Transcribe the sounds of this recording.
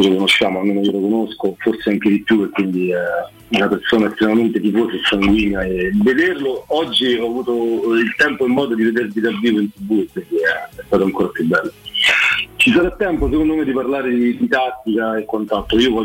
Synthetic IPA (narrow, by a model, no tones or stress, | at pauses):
lokonoʃːjaːmoamːenajolokonoskoforseaŋk̟ed̪ipjuekwind̪i | unapersoːnaɛst̪ɾemament̪et̪ifosesaŋɡwiːnjaeved̪erloɔd͡ʒːiɔavuːt̪oilt̪ɛmpoimːɔːd̪od̪ived̪erd̪id̪aviːvoint̪ubuːekwind̪iɛst̪aːt̪oaŋkoːɾapjubːɛlːo | t͡ʃis̬aɾat̪ːɛmpos̬ekond̪omed̪iparlaːɾed̪id̪it̪at̪ːikaekːant̪alt̪ːɾoiːovɔ